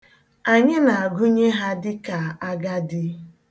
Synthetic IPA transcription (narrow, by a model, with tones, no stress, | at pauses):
a˨ɲɪ˦na˨a˨ɡʊ˦ɲe˦ɦa˦dɪ˦ka˨a˦ɡa˦dɪ˦